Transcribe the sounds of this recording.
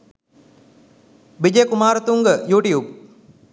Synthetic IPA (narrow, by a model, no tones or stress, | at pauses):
bid͡ʒeːkumaːɾət̪uŋɡəjuːʈiub̚